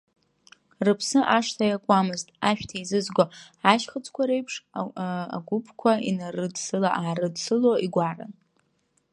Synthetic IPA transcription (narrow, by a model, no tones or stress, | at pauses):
rɨpʰsɨʔaʂtʰajakʷʼamɨztʼaʃᶣtʰaizɨzɡʷo | aʃχət͡sʼʰkʷʰaɾe̞jpʰʂ | a̰ɡʷupʰkʷʰainarɨdsɨlaʔaːɾɨdsɨloiɡʷara̰n